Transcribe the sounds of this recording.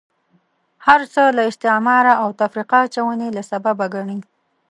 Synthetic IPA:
haɾt͡səlaɪst̪ɪmɑɾaawt̪afɾiqaːt͡ʃawənelasababaɡaɳi

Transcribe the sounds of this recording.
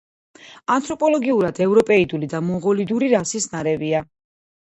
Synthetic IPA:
ant̪ʰʼɾɔpʼɔlˠɔɡiuɾad̪ɛvɾɔpʼɛid̪ulid̪amɔʁɔlid̪uɾiɾasisnaɾɛvia

